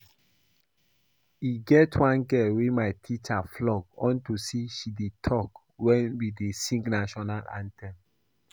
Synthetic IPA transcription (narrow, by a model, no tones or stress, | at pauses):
iɡɛtwãnɡɛwemaɪtʰit͡ʃaflɔɡ̚ɔ̃ntusiʃidetʰɔk | wɛ̃nwidesĩŋknaʃɔnalã̰ntʰɛ̃m